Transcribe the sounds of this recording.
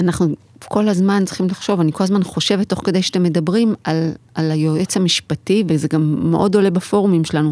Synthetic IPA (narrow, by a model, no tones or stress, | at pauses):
anaχnu | ko̞lazmant͡si̥χimlaχʃo̞vaniko̞lazmanχo̞ʃe̞vetːo̞χkede̞jʃat̪emːedɐbʁimalalajoet͡samiʃpativezeɡamːḛʔo̞do̞le̞bafo̞ʁumimʃelanu